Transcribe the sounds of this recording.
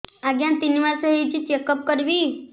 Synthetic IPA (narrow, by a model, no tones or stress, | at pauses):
aɡjant̪iniʋaɾsəɦet͡ɕit͡ɕekəp̚kəɾʋi